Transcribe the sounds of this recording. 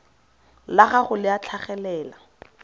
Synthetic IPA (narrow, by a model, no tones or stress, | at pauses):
laχaχʊlɪat͡ɬʰaχɛlɛːla